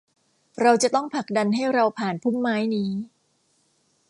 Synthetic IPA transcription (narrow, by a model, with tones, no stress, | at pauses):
ɾa˧wt͡ɕa˨˩t̪ɔ˥˩ŋpʰa˨˩k̚da˧nɦa˥˩jɾa˧wpʰaː˨˩npʰu˥˩mːaː˦˥jniː˦˥